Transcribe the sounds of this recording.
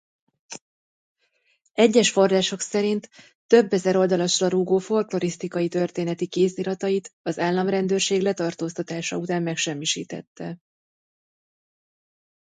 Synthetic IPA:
ɛɟːɛʃfo̞rraːʃo̞ksɛɾint̪ː | ø̞bːɛzɛɾo̞ld̪ɒlɒʃrɒɾuːɡoːfo̞lklo̞ɾist̪ikɒjit̪ø̞rt̪eːnɛt̪ikeːsiɾɒt̪ɒjit̪ɒzaːlːɒmrɛnd̪ørʃeːɡlɛt̪ɒrt̪oːst̪ɒt̪aːʃɒ̰ut̪aːmːɛkʃɛmːiʃiːt̪ɛ̰t̪ːɛ

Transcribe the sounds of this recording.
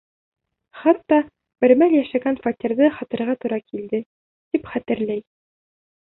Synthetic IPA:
χɑt̪ːɑ | b̥ɘ̆ɾmæljæʃæɡænfɑt̪ʲĭɾðɤχɒt̪ɤ̆ɾʁɑt̪uɾɑkild̪ɘ | t̪ipχæt̪ɘ̆ɾlæj

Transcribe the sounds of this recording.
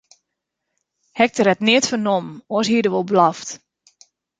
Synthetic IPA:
hɛk̚təɾɛtnɪətfərnomɔəshiədəʋolˠblaft

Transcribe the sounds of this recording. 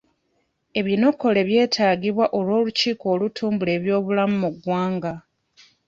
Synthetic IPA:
e̞βino̞kːo̞le̞βje̞ːtʰaːɡiβwaʔolwo̞ːluciːko̞ːlutʰuːmbule̞ːβjo̞ːβulamumuɡwaːŋɡa

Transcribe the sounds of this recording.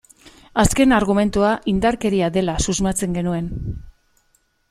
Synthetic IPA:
aske̞naɾɣ̞ume̞nt̪uaʔind̪aɾke̞ɾiaðe̞lasuzmat͡se̞ŋɡe̞nue̞n

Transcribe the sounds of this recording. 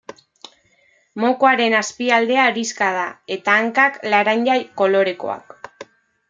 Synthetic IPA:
mo̞koaɾe̞naspiald̪e̞aɾiskað̞ae̞t̪aːŋkaklaɾaɲʎajko̞lo̞ɾe̞ko̞̰a̰k

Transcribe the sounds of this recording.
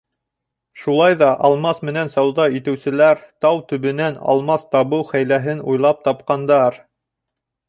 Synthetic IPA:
ʃulˠɑjðɑʔɑlˠmɑsmɘ̆nænsɑwðɑit̪ɘ̆wsɘ̆læɾt̪ɑwt̪ɵ̆βɘ̆nænɑ̰lˠmɑst̪ɑβɤwχæjlæɦɘnṵjlˠɑp̚t̪ɑp̚qɑnd̪ɑɾ

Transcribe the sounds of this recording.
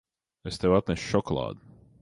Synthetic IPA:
est̪ewat̪̚nɛsʃɔklˠɑ̰ːd̪

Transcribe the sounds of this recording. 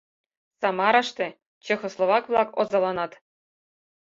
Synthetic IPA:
sɑmɑɾɑʂt̪ĕ | t͡ɕĕxoslˠovɑkvlˠɑkozɑlˠɑnɑt̪

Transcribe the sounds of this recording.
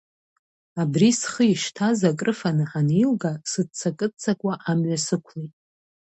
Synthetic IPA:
abrisχəiʃtʰazakʼrɨfanɨħanilɡasɨd̚t͡sʰakʼɨt͡sʰakʷʼaʔamɥʷasɨkʷʰlejtʼ

